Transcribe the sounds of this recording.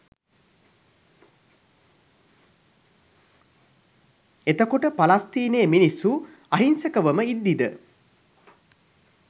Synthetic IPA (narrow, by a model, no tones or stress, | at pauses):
et̪əkoʈəpalast̪iːneːminisːu | aɦinsəkəʋəməid̪ːid̪ə